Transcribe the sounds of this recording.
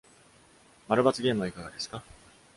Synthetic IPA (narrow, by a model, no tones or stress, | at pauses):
maɾɯ̟bat͡sɨɡʲe̞ːmɯ̟βaikaɡad̪e̞sɨ̥ka